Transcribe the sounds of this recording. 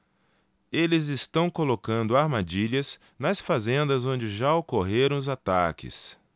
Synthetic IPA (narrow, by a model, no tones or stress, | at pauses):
elɪzɪst̪ɐ̃w̃kolokɐ̃nd̪ʊaɾmad͡ʒiʎɐz | nɐsfazẽnd̪ɐzõd͡ʒɪʒaokoɦeɾɐ̃w̃ʊzat̪a̰kɪ̰s